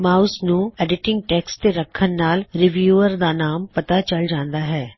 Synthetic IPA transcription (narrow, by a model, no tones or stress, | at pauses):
maːsnũːɛːɖɪʈɪ̃ŋɡ̚ʈɛːkst̪eɾəkʰːənːaːlɾɪʋjuːəɾd̪aːnaːmpət̪aːt͡ʃəld͡ʒãːnd̪aːɦɛː